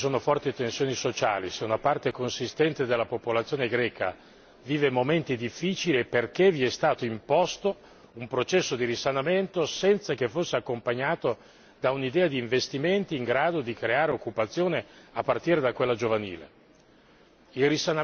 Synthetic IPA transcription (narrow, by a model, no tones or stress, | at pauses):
isoːnofɔrt̪it̪ensjoːnisot͡ʃa̰ːliseunapart̪ekonsist̪ɛnt̪ed̪elːapopolat̪sːjoːneɡɾɛːka̰ | viːvemoment̪id̪ifːiːt͡ʃilieperkeviɛst̪aːt̪oimpɔst̪o | umpɾot͡ʃɛsːod̪iɾisanament̪osɛnt̪sakefːosːeakːompaɲːaːt̪o | d̪aunid̪ɛːad̪iːɱvest̪iment̪iːŋɡɾaːd̪od̪ikɾeaːɾeokːupat̪sːjoːneapːart̪iːɾed̪akwelːad͡ʒovaniːlḛ | ilrisana